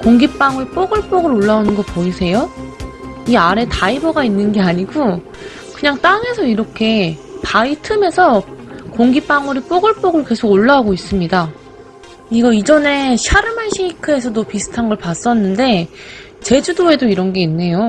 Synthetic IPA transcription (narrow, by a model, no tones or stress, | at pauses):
koŋɡip͈aŋɯɭp͈oɡɯɭp͈oɡɯɾoɭːaonɯnɡʌpoisʰe̞jo | iaɾe̞taibʌɡainːɯnɡe̞aɲiɡo | kɯɲaŋt͈aŋe̞sʰʌiɾʌkʰe̞paitʰɯme̞sʰʌkoŋɡip͈aŋuɾip͈oɡɯɭp͈oɡɯɭke̞sʰoɡoɭːaaɡois͈ɯmɲida | iɡʌid͡ʑʌne̞ɕʰaɾɯmanɕʰiɲikʰɯe̞sʰʌdopisʰɯ̥tʰanɡʌɭpas͈ʌnːɯnde̞ | t͡ɕe̞d͡ʑudoe̞doiɾʌnɡe̞inːe̞jo